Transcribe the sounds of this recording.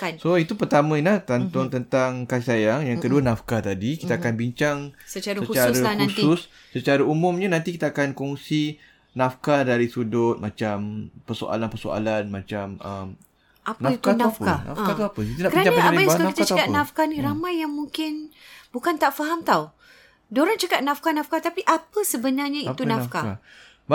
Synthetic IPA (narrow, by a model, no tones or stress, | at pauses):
kansoit̪upərt̪amə̃ilaht̪ant̪ɔŋt̪ənt̪aŋkaisajaŋjaŋkəduanafkat̪adikit̪aːkanbiɲt͡ʃaŋsət͡ʃaɾsəkut͡ʃaɾahnusʊsː | ət͡ʃaɾaumʊmɲanant̪ikit̪aːkankɔŋsi | nafkadaɾisudʊt̪̚mat͡ʃampərso̰a̰lanpərso̰a̰lanmat͡ʃaməm | ʔapnait̪unafkana̰fãat̪uapəit̪unakəɾaanaaasəkakit̪t͡ʃəkaʔ̪nafkanĩɾamãjːaŋmuŋkɪnbukant̪aʔfaɦamt̪aw | doɾaŋt͡ʃəkat̪̚nafkanafkat̪apiʔapəsəbənarɲait̪unafkaa | b